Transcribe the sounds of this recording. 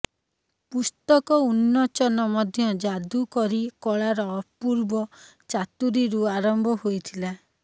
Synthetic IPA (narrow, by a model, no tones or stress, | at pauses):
pust̪ɔkɔunːɔt͡ʃɔnɔmɔd̪ʱjɔd͡ʒad̪ukɔɾikɔɭaɾɔpuɾbɔ | t͡ʃat̪uɾiɾuaɾɔmbʱɔhojt̪ʰila